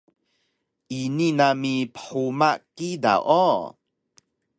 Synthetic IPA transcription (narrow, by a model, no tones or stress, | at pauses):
ʔininamipə̥ħumakida̰ʔo